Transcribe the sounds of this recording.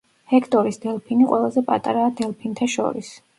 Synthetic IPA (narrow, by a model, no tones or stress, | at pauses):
hɛkʰt̪ʼɔɾisd̪ɛlˠpʰiniqʼwɛlˠazɛpʼa̰t̪ʼaɾaːd̪ɛlˠpʰint̪ʰaʃɔ̰ɾḭs